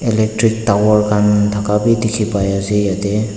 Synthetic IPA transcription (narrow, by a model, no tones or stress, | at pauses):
ɛlɛk̚tɾik̚tawɔɾkandʰʱakabidikʰibajazijadɛ